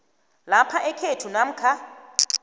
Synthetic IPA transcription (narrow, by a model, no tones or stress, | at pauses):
lapʰaʔɛkʰetʰunam̩kʰa